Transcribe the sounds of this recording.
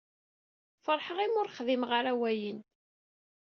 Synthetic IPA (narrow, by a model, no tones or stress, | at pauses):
fəɾˤħəʁimʊɾχðimʁaɾæwæjən